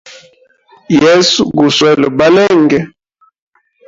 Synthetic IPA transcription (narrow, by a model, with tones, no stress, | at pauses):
jɛ˦su˦ɡu˨swɛ˦˨lɔ˨ba˦lɛ˦˨ŋɡɛ˨